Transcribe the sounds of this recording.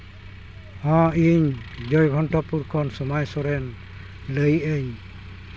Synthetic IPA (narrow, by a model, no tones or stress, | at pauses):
hɔ̃iɲd͡ʒɔjɡʱɔnʈɔpuɾkʰɔnsɔmajsɔɾɛn | ləjəɲ